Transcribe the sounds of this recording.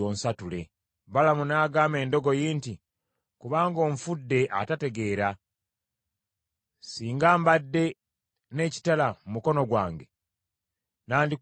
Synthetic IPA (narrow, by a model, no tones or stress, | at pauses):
oːnsatule̞ | balamunaːɡaːme̞ːndo̞ɡo̞jiːnti | kuβaːŋɡo̞ːɱfudːe̞ʔa̰tate̞ɡe̞ːɾa | siːŋɡaːmbadːe̞ | ne̞ːci̥talamumuko̞no̞ɡwa̰ːŋɡe | naːndi